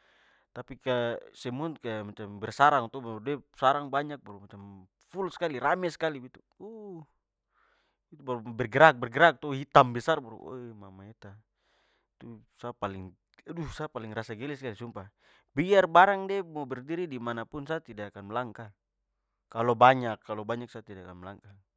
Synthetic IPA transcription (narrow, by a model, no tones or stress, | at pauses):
t̪apikasɛmut̪kajamat͡ʃambɛrsaɾaŋt̪ɔbudɛsaɾaŋbaɲak̚baɾumat͡ʃam | fulskaliramɛskaliɡit̪u | u | it̪ubaɾubɛrɡɾak̚bɛrɡəɾak̚t̪ɔɦit̪ambɛsarbaɾṵʔɔ̰mamaɛt̪a | it̪u | sapaliŋ | dusapaliŋrasaɡɛlɛskalisumpa | biarbaɾaŋdɛmɔbɛrdiɾidimanapunsat̪idaakanmɛlaŋka | kalɔbaɲakːalɔbaɲak̚sat̪idaakanmɛlaŋka